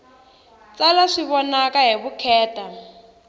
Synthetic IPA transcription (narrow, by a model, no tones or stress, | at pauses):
t͡salaʂiβɔnakaɦiβukʰɛːta